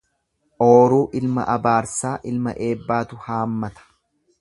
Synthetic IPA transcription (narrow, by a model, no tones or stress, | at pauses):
ʔoːɾuːʔɪlmɐ̰ʔɐbaːɾsaːʔɪlmɐ̰ʔe̞ːbːaːt̪ʊhaːmːɐt̪ɐ̥